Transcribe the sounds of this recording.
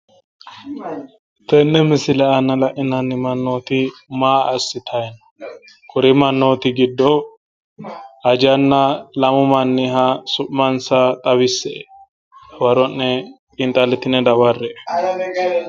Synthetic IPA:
t̪ɛnːɛmɪsɪlɛɐnːɐlɐʔɪnɐnːɪmɐnːoːt̪ɪmaːɐsːɪt̪ʰɐjɛnɐ | kʰʊɾɛmɐnːoːt̪ɪɡɪd̪ːɔ | ɐd͡ʒɐnːalɐmʊmɐnːɪɦasʊʔmɐnsat̪ʼɐbɪsːɛɛ | wɐɾɔnːɛkʼɪnt̪ʼɐlɪt̪ɪnɛd̪ɐwɐrːɛ

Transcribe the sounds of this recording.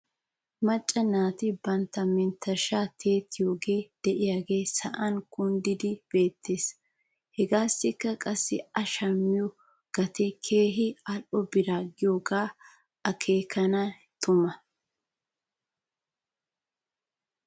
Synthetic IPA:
mɐt͡ʃʼːɐnaːt̪ɪbɐnt̪ːɐmɪnt̪ʰːɐʃaːt̪ʰe̞ːt̪ʰːɪjo̞ːɡe̞ːd̪̥ɛʔɪjaːɡe̞ːsɐ̰ʔɐnkʊnd̪ɪd̪ɪb̥e̞ːt̪ʰːe̞ːs | hɛɡaːsːɪkːɐkʼɐsːɪ̰ɐʃɐmːɪjɔ | ɡ̥ɐt̪ɛkʰe̞ːɦɪɐlʔɔbɪɾaːɡɪjoːɡaː | ʔɐkʰe̞ːkʰɐnɐ | t̪ʊmɐ

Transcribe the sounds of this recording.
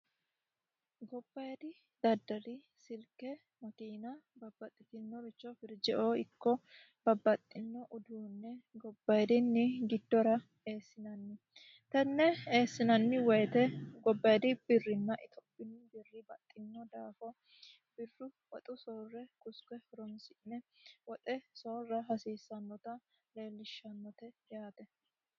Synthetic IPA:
ɡɔbːɐjd̪ɪ | d̪̥ɐd̪ːɐɾɪ | sɪlkːɛ | mɐkiːnɐbɐbːɐt̪ʼːɪt̪ɪnːɔɾɪt͡ʃːɔfɪɾd͡ʒɛʔoːɪkːɔ | bɐbːɐt̪ʼːɪnːɔʔʊd̪uːnːɛɡɔbːɐjd̪ɪnːɪɡɪd̪ːɔɾɐ | eːsːɪnɐnːɪ | t̪ɐnːɛe̞ːsːɪnɐnːɪwɛjt̪ɛɡɔbːɐjd̪ɪbɪrːɪnːɐʔɪt̪ʰɔ̥pːɪnːɪbɪrːɪbɐt̪ʼːɪnːɔd̪aːfɔ | b̥ɪrːʊ | wɔt̪ʼʊsoːrːɛkʼʊskɛɾɔnsɪnːɛwɔt̪ʼɛso̞ːrːɐɦɐsiːsːɐnːɔt̪ɐ | le̞ːlːɪʃːɐnːɔt̪ɛjaːt̪ɛ

